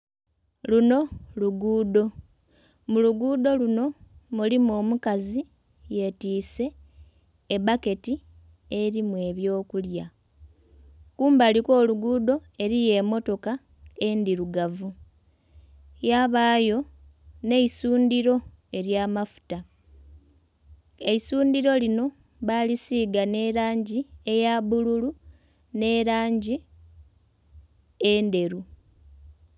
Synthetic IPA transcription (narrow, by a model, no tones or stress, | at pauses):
luno̞luɡuːdo̞ | muluɡuːd̪o̞luno̞mulimo̞ːmukazi | je̞tiːse̞ː | bake̞ti | e̞ɾimwe̞ːβjo̞ːkulja | kuːmbaliko̞ːluɡuːd̪o̞e̞ɾije̞mo̞to̞ka | e̞ndiɾuɡavu | jaβaːjo̞ | ne̞isuːndiɾo̞ | e̞ɾjaːmafu̥ta | e̞isuːndiɾo̞lino̞ | βalisiːɡane̞ɾaːɲɟie̞jabululu | ne̞ɾaːɲɟi | e̞ːnde̞ɾu